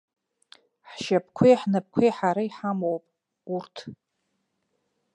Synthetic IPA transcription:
ħʃap̚ʰkʷʰijħnap̚kʷʰijħaɾaiħamowpʼ | urtʰ

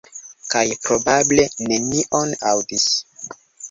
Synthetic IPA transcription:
kajpɾobable̞nemiʔonawdis

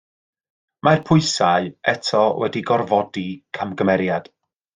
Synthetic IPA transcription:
marpʰʊɨsaɨɛtʰɔwɛdiɡɔrvɔdikʰamɡəmɛɾjad̥

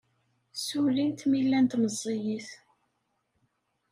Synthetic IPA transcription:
sulint̪milːænt̪məzˤːijiθ

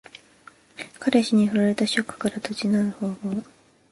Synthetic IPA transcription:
kʰaɾeɕiɲ̟iɦɯɾaɾe̞t̪aɕo̞kːɯ̟̥kaɾat̪ot͡ɕinaɯ̟ho̞ːmoː

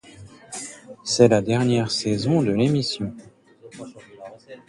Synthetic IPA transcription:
sɛlad̪ɛʁnjɛʁsɛzɔ̃d̪əlemisjɔ̃

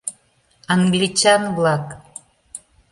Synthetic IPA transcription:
ɑŋɡlit͡ɕɑnβlɑk

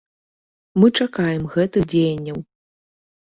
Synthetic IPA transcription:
mɨt͡ʂakajɛmɣɛt̪ɨxd͡zʲejɐnʲːɐw

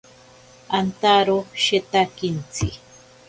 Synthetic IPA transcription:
ant̪aɾoʃet̪akint͡si

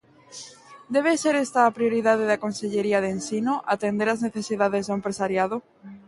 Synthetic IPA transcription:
d̪eβ̞eseɾest̪aːpɾioɾiðað̞eðakonseʎeɾiað̞ensinoʔat̪end̪eɾazneθesiðaðezðoʊempɾesaɾjaðo

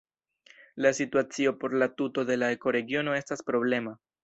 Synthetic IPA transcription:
lasituat͡sio̞po̞ɾlatuto̞de̞lae̞ko̞ɾe̞ɡio̞no̞e̞staspɾo̞ble̞ma

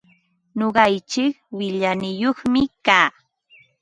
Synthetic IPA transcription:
ɲoɢɑjt͡ʃɪk | wɪʎanɪjoχmɪkaː

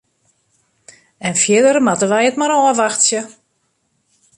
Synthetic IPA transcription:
ɛnfjɪdəɾəmatəʋɛjətmaɾɔəʋaxtsjə

